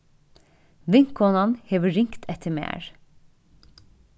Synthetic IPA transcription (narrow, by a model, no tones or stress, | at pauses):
ʋɪŋkɔnɑnheːʋəɾɪŋkt̪ʰɛt̪ʰəmḛːɹ